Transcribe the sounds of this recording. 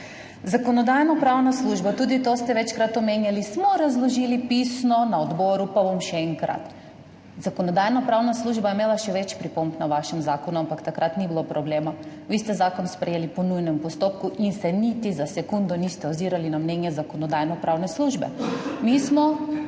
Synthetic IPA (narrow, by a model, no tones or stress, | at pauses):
zakɔnɔd̪ajnɔpɾawnasluʒbat̪uːd̪it̪ost̪ɛʋɛt͡ʃkɾat̪ɔmenjalismɔɾazlɔʒiːlipisnɔnaod̪bɔɾupabomʃɛɛŋkɾa̰t̪ | z̥akonɔd̪ajnapɾawnasluʒbajɛmeːlaʃɛʋɛt͡ʃpɾipombnaʋaʃɛmzaːkɔnuampakt̪akɾat̪nibilopɾɔbleːma | ʋiːst̪ɛzaːkɔnspɾɛjelipɔnujnɛmpɔst̪opkuʔinsɛnit̪izasɛkund̪ɔnist̪ɛɔd̪ziːɾalinamnɛnjɛzakonɔd̪ajnɔpɾʔawnɛsluʒbɛ̰mismɔ